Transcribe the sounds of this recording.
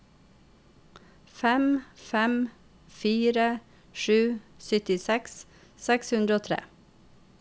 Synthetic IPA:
fɛmfɛm | fiːɾə | ʃʉːsʏt̪ɪsɛks | sɛkshʉnd̪ɾəoːt̪ʰɾḛː

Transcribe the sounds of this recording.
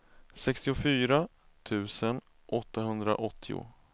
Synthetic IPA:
sɛkst̪ɪʊfyːɾa | t̪ʰʉ̟ːsən | ʔɔt̪ːaɦɵnd̪ɾa̰ʔɔt̪ʰːɪʊ̰

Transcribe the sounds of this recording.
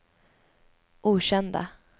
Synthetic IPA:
ʔuːɕɛnd̪a̰

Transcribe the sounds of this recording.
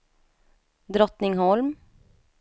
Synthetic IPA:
d̪ɾɔt̪nɪŋɦɔlm

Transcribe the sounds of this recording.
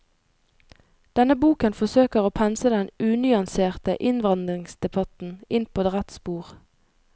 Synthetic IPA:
d̪̥ɛnəbuːkənfɔsøːkəʁoːpʰɛnsəd̪ɛnʉːnʏɑnseːʁt̪əʔɪnʋɑnd̪ʁɪŋsd̪ɛbɑt̪n̩ɪnpʰoːd̪ʁæt̪spuːʁ

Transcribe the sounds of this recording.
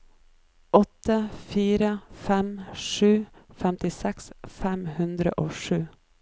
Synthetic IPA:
ɔt̪ːəfiːɾəfɛmʂʉːfɛmt̪ɪsɛksfɛmhʉnd̪ɾə̰ʔoːʂʉː

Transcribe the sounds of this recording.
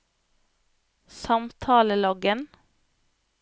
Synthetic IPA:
sɑmt̪ʰɑːləlɔɡən

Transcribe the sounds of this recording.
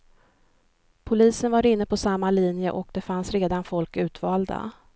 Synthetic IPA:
pʰʊliːsənvaɾɪn̪ːəpʰɔsamːalinjəʔɔkd̪ɛfansɾeːd̪anfɔlkʉ̟ːt̪vɑːld̪a̰

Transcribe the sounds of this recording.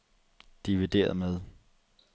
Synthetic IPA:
d̥iʋid̥e̝̰ːɐð̩ˠmeð̞ˠ

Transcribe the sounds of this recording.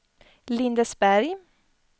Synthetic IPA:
lɪnd̪əsbæɾj

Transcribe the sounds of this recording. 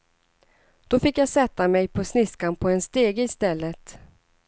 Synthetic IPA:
d̪̥ɔfɪkːjasɛt̪ːamɛjpʰɔsnɪskanpʰɔɛnst̪eːɡəɪst̪ɛlːət̪

